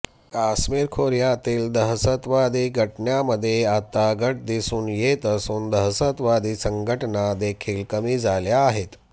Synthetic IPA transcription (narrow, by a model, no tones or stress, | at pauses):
kasmiːɾkʰoɾjat̪iːld̪əɦsət̪ʋad̪iːɡʱəʈɳjaməd̪ʱːjeat̪aɡʱəʈ̚d̪isuːnjet̪əsuːnd̪əɦsət̪ʋad̪iːsəŋɡʱəʈnad̪ekʰiːlkəmiːd͡zaljaːɦet̪